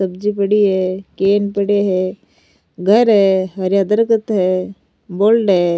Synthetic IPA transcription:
ɐbd͡ʒipəɽiɦɛːkeːnpəɽeɦɛː | ɡʱəɾɦɛːɦɐɾjaːd̪əɾkət̪ɦɛː | boːlʈɦɛː

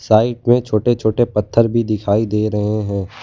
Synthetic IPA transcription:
saːɪʈ̚mẽt͡ʃʰoːʈet͡ʃʰoːʈepɐt̪ʰːəɾbʱid̪ɪkʰaːid̪eːɾɐɦeɦɛ̃ː

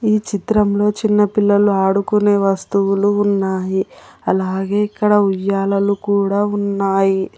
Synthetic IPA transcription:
iːt͡ʃit̪ɾɐmlo̞ːt͡ʃinːɐpilːɐluaːɽukune̞ːʋɐst̪uwuluːnːaːjiɐlaːɡe̞ːikːɐɽɐujːaːlɐlukuːɽaːunːaːji

